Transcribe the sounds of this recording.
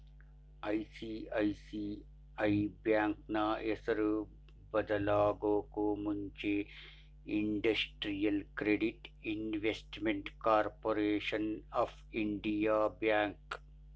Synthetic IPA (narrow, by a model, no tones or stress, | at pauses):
aisiaisi | aibjãːŋk̚naesəɾ | bɐd̪əlaːɡokoːmʊɲt͡ʃe | ɪɳɖɐsʈɾijəlkɾeɖiʈɪnʋesʈmẽɳʈkaːɾpoːɾeːʃənaːfʰɪɳɖijaːbjaːŋk